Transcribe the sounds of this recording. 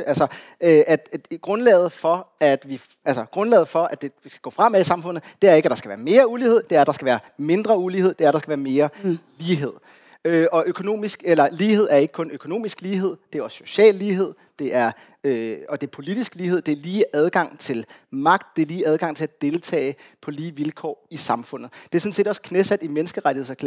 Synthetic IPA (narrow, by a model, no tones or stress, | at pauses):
ælsɒ | øæd̥ɡ̥ʁɔ̽nlɛ̰ːð̩ˠfɒ̽æd̥ʋi | ælsɐɡ̥ʁɔ̽nlɛ̰ːð̩ˠfɒ̽ʔæd̥e̝ʋisɡ̥æ̥ɡ̥ɔ̰̽ːfʁɑ̈m̰eisɑ̈mfɔ̽n̰ð̩ˠd̥e̝æɐe̝ɡ̥æd̥ɑ̈sɡ̥æʋæːɐme̝ːɐuliːhe̝ð̞̰ˠd̥e̝æɐæd̥ɑ̈sɡ̥æʋæːɐme̝nd̥ʁɐuliːe̝ð̞̰ˠd̥e̝æɐd̥ɑsɡ̥æʋæːɐme̝ːɐliːɦe̝ð̞̰ˠ | øʔɒ̽ʔøkʰo̝no̝̰ːmisɡ̥elɐliːɦe̝ð̞̰ˠæɐe̝ɡ̥ə̥kʰɔ̽nøkʰo̝no̝̰ːmisɡ̥liːɦe̝ð̞̰ˠd̥eæɐɒ̽sɕo̝ɕɛ̰ːlːiːɦe̝ð̞̰ˠ | d̥e̝ʔæɐ | øɒ̽d̥e̝æɐpʰo̝lid̥isɡ̥liːhe̝ð̰ˠd̥e̝ɐliːʔæð̞ˠɡ̥ɑ̈ŋ̰t͡sʰe̝lmɑ̈ɡ̥̚d̥̚d̥e̝æɐliːæð̞ˠɡ̥ɑ̈ŋ̰t͡sʰe̝læd̥e̝lt͡sʰɛ̰ːɪpʰɒ̽liːʋilkʰɒ̰ːisɑ̈mfɔ̽n̰ð̩ˠd̥e̝æɐsɔ̽n̩se̝ːd̥ɒskʰnesæd̥imenəsɡ̥əʁaɾ̥ihḛskʰ